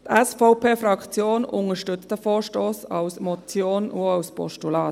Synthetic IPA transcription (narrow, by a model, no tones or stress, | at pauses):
t̪ɛsfaʊpʰeːfrɑkt͡sjoːnʊŋəʃtʏt͡stəfoːɹʃtoːsɑwsmɔt͡sjoːnʔuɑwspɔ̰ʃtulɑːt